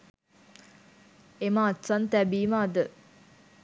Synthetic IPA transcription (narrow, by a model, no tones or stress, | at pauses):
emaːt̪sant̪æbiːmaːd̪ə